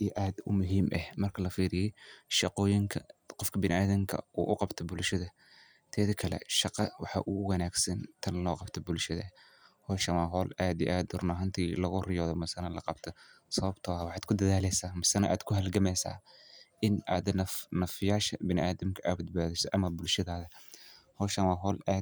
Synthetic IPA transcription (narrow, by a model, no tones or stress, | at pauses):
iʔaːd̪ʊmʊɦiːmʔɐhmɐrkʰɐlɐfiːɾɪjɛjʃɑqɔːjɪŋkʰɐqɔfkʰɐbɪnɪʔaːðɐmkʰɐ̰ʔuːʔʊqɑbt̪ʰɔbʊlʃɐðɐ | t̪ʰɛːðɐkʰɐlɛ̰ʃɑqɑwɑħɑ̰ʔuwɐnaːɡsɐnt̪ʰɐnlɔːqɑbt̪ʰɔbʊlʃɐðɐ̰ | hɔːʃɐwaːɦɔːlaːd̪ḭʔaːd̪ʊrnaːɦɐnt̪ʰiːlɐɣʊrɪjɔːðɔmɐsɐnɐlɐqɑbt̪ʰɔ | sɐβɐbt̪ʰɔːwɑħɑːd̪̥kʰʊd̪ɐðaːlɛsaːmɐsɐnɐʔa̰ːd̪kʰʊɦɐlɡɐmɛsa̰ːʔɪnʔaːd̪nɐfnɐfɪjaːʃɐbɪnɪʔaːðɐmkʰɐʔaːbɐd̪̚baːðɪsɔʔɐmɐbʊlʃɐðaːðɐhɔːʃɐwaːɦɔːlaː